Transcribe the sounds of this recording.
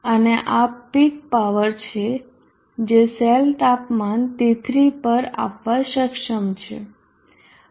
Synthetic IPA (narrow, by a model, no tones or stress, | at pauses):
əneʔapik̚paʋəɾt͡ʃʰe | d͡ʒeselt̪apmant̪it̪ɾipəɾa̰pʋaʃəkʃəmt͡ʃʰḛ